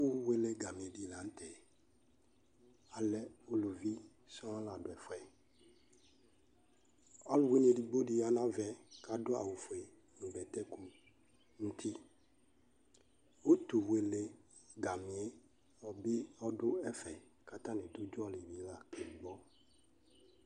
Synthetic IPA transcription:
u˦we˦le˦ɡa˨mĩ˨e˨di˦˨la˨n̩˦t̪ɛ˨ | a˨lɛ˨o˦lu˨vi˦ | sɔ̃˦a˦la˨dʊ˨ɛ˨fɔ˨ɛ˨ | ɔ˦lʊ˨we˦ne˨ɖi˨ɡ͡bo˦di˦a˨nã˦vɛ˨ka˨˦dʊ˦a̰˨wu˨fɔ˨e˨ | nũ˨bɛ˨t̪ɛ˦ku˦ | n̩˨t̪ʰi˦ | o˦t̪u˨we˨le˨ | ɡa˨mĩ˨e˦ | ɔ˨be˦ɔ˦dʊ˦ɛ˦fɛ˨ | ka˨t̪ã˦nẽ˨d̪ʊ˦d͡ʒɔ˦li˨vi˦la˦ke˨di˨ɡ͡bɔ˦

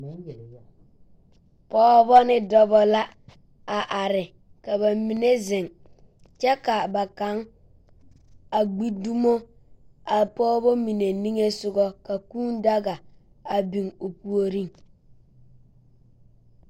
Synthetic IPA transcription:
pɔː˦βɔ˦nɪ˦dɔ˦bɔ˦la˦ | a˨ʔa˨ɾɪ˨ | ka˨βa˨mi˨ne˦zɪ˨ŋ | t͡ʃɛ˦ka˨ba˨ka˦ŋ | a˨ɡ͡bi˦du˦mo˦ | a˨pɔː˦bɔ˦mi˨ne˨ni˦ŋe˦sʊ˦ɡɔ˦ka˨kuː˦n˦da˦ɡa˨ | a˨bi˨ŋo˨pu˨o˦ɾi˦ŋ

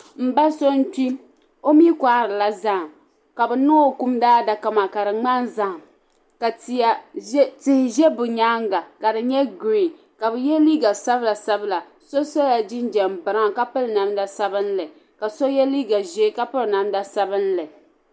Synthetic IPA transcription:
m̩˨ba˦so˦n˦t͡ʃi˦ | o˦mi˦kʷa˦ɾɨ˨la˨za˦˨ | ka˨bɨ˨no˦˨ku˦mdaː˦da˨ka˦ma˨ka˨ɾɨ˨ŋ͡ma˦nza˦˨ | ka˨a˨˦tɪ˨hɪ˨ʒɛ˦bʊ˨ɲaː˦ŋɡa˨ka˨dɨ˨ɲɛ˦ɡɾi˦˨ | ka˨bɨ˨jɛ˦liː˦ɡa˨sa˦bla˨sa˦bɨ˦la˨ | so˦so˦la˨d͡ʒɪ˦nd͡ʒɛ˨m˨bɨ˨ɾa˦ŋ˨ka˦pɨ˦lna˨mda˦sa˦bɨ˦n˦lɨ˨ | ka˨so˦jɛ˦liː˦ɡa˨ʒe˦ka˦pɨ˦ɾna˨mda˦sa˦bɨ˦n˦lɨ˨

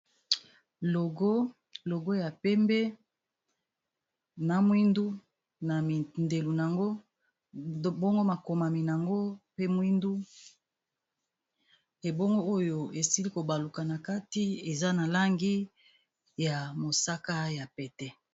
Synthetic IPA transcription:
lo˨ɡo˦ | lo˨ɡo˦ja˨pɛ˦mbe˦ | na˨mwi˦ndu˦ | na˨mi˨nde˨lu˨n˨a˨ŋɡo˦ | bo˦ŋɡo˦ma˨ko˨ma˨mi˨na˨ŋɡo˦pe˦mwi˦ndu˦ | e˨bo˦ŋɡo˦o˦jo˨e˨si˦li˦ko˨ba˨lu˨ka˨na˨ka˦ti˦e˨za˦na˨la˦ŋɡi˦ | ja˨mo˨sa˦ka˦ja˨pɛ˨tɛ˦

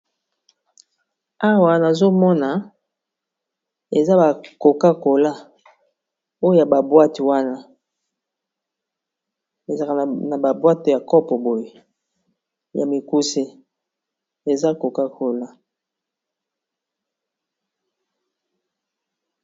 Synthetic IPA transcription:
a˦wa˨na˨zo˦mɔ˦na˨ | e˨za˦ba˨ko˨ka˦ko˨la˦ | o˦jo˨ja˨ba˨bwa˦ti˨wa˦na˦ | e˨za˨ka˨na˨ba˨bwa˦te˨ja˨kɔ˦pɔ˨bo˨je˨ | ja̰˨mi˨ku˦se˦ | e˨za˦ko˨ka˦ko˨la˦

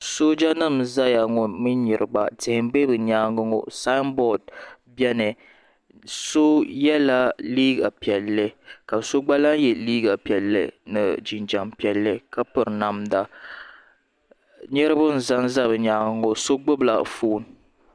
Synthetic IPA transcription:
so˦d͡ʒa˦nɨ˦˨mza˦ja˨ŋɔ˨nmɨ˦ɲi˨ɾʔɨ˨ba̰˨tɪ˨hɪ˨m˦be˦bɨ˨ɲaː˦ŋɨ˦ŋo̰˦sa˦mbɔ˦˨d̚ | bɛ˦nɨ˨ | so˦jɛ˦la˦liː˦ɡa˨pi˨ɛ˨lːɨ˦ka˨so˦ɡ͡ba˦la˦ŋjɛ˨liː˦ɡa˨pi˨ɛ˨lːɨ̰˨nɨ̰˨d͡ʒi˨nd͡ʒa˨mpi˨˦ɛ˨lːɨ˦ka˦pɨ˨ɾna˨mda˨ | ɲɛ˦ɾɨ˦bʊ˦n̩˨za˦ŋza˦bɨ˨ɲaː˦ŋɨ˦ŋo˦so˦ɡ͡bʊ˦bla̰˨foː˦˨n˨

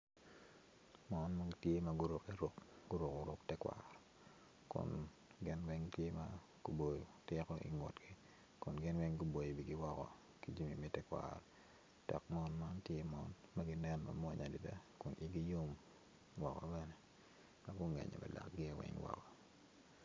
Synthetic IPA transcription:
mɔ˦nma˦ɡtje˦maɡʊ˦ɾo˨ki˦ɾʊ˦kɡʊ˦ɾʊ˨ko˨ɾʊ˦ktɛ˦kwa̰ɾɔ | kʊ̰˨n | ɡɪ˦nwɛ˦ŋtje˦ma̰ | ɡ̥u˨bo˨jo˨tɪ˦kɔ˦ʔḭ˦ŋɔ̰˨tɡi˦ | kʊ˨nɡɪ˦nwɛ˦ŋɡʊ˦bo˨ji˨bi˨ɡi˦wɔ˦kɔ̰˨ | ki˦d͡ʒi˦mi˨mi˦tɛ˦kwa̰ɾɔ˨ | tɛ˨kmɔ˦nma˦ntje˦mɔ˦nma˦ɡɪ˦nɛ˦nma˨mɔ˨ɲa˨di˨da˦kʊ˨ni˦ɡi˦jo˦m | wɔ˨kɔ̰˨bɛ˦ne˨ | ma˦ɡʊ˦ŋɛ̰˨ɲɔ̰˨mɛ̰˨la̰˨kɡɪ˦˨wɛ̰ŋwɔ̰˨kɔ˨

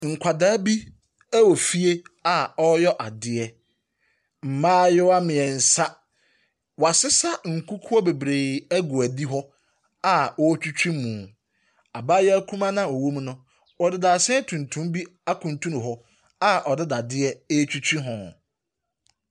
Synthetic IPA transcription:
ŋ̩˨kʷʰa˨daː˦bi˦ | æ˦wɔ˨fi˦e˦a˨ɔ˦jɔ˦ʔa˨dɪ˨ɛ˦ | m̩˨mãː˦jɛ˦wa˦mɪ̃˨ɛ˨n̩˨sa˦ | wa˨sɪ˦sa˦ŋ̩˨kʰu˦kʰʊ˦ɔ˦be˨bɾe˨æ˦ɡʊ˨æ˨di˦ɦɔ˦ | a˦ɔ˦t͡ɕᶣu˦t͡ɕᶣĩ˦mũ˨ | a˨baː˦jɛ˦æ˦kʰũ˦mã˦nã˦ɔ˨wo˦m˦nʊ̃˦ | wɔ˨dɪ˦da˨sɛ̃˦tʰũ˨ntʰũ˦mbi˦ | a˦kʰũ˨n˨tʰũ˦ñ˨ɦɔ˦ | a˦ʔɔ˨dɪ˦da˨dɪ˦ɛ˦e˦t͡ɕᶣi˦t͡ɕʰᶣi˦ɦɔ̃˨

